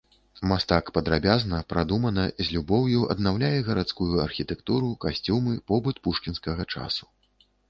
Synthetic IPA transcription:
mast̪akpɐd̪ɾabʲaznɐpɾad̪umɐnɐzʲlʲubɔwjuɐ̰d̪nawlʲajɛɣɐɾat̪skujuɐrxʲit̪ɛkt̪uɾukasʲt͡sʲumɨpɔbɨt̪puʂkʲinskɐɣɐt͡ʂa̰su̥

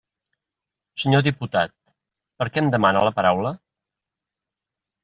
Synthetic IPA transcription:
səɲoðiput̪a̰t̪̚ | pəɾkɛəmd̪əmanələpəɾawlə

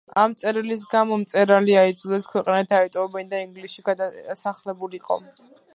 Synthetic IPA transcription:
amt̪sʼɛɾilis̬ɡamɔmt̪sʼɛɾaliaid̪zulɛskʰwɛqʼnat̪ʰaɛt̪ʼɔɔbɛnd̪aiŋɡlisʃiɡad̪asaχlɛbuliiqʼɔ̰

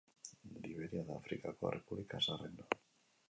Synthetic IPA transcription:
liβeɾjaðafɾikakoa̰rʔepuβlikasareno

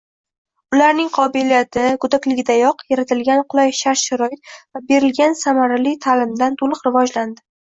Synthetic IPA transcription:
ʊlaɾnɪŋqʰɒbɪlijat̪ʰɪɡʊd̪akʲlɪɡʲɪd̪ajɒqjaɾat̪ʰɪlɡʲanqʰʊlˠajʃaɾʃaɾɒɪt̪̚vabe̞ɾɪlɡʲansamaɾalit̪ʰalɪmd̪ant̪ʰolˠɨqɾɪvɒd͡ʒland̪ɪ

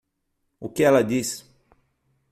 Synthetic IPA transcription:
ʊkɪɛlɐd̪is

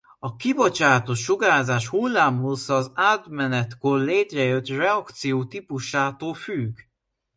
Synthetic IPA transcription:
ɒkibo̞t͡ʃaːt̪o̞t̪ʃoɡaːzaːʃhulːaːmɦusɒːzaːt̪mɛnɛt̪korleːt̪rɛjø̞t̪rɛɒkt̪sijoːt̪ipuʃaːt̪oːlfyɡ

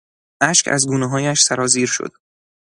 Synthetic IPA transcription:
ʔæʃkʰæ̰zɡuːneɦɒːjæʃsæɾɒːziːɾʃo̰d̪̥

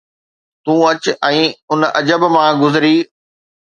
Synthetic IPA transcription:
t̪ũːɐt͡ɕɛ̃ːʊnɐd͡ʑəbmãɡʊzɪɾiː

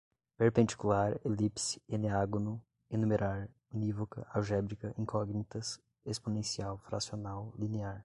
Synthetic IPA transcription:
peɾpẽnd͡ʒikulaɾelipsi̥eneaɡonʊ | enumeɾʔaɾ | onivokɐ̰ʔawʒɛbɾikɐʔĩkʰɔɡnit̪ɐs | esponẽsiawfɾa̰sionawlineaɾ

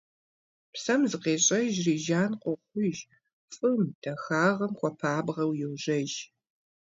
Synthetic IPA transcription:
psɐmzɨqeːɕʼɐʒriːʒaːnqʷɔχʷʊʒ | fʼɨmd̥ʰɐxaːʁɐmχʷɔpʰaːbʁɐwjɪwʒɐʒ

